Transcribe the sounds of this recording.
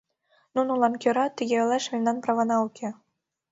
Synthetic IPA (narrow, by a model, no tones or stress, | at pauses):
nunulˠɑnkʲøɾɑt̪ʲɘ̆ɡʲelʲɑʂmʲenʲd̪ɑnprɑvɑnɑukʲʰĕ